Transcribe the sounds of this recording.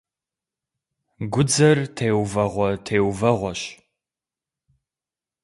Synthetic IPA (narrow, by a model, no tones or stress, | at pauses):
ɡʷʊd͡zɐrtʰeːwvɐʁʷɔtʰeːwvɐʁʷɔɕ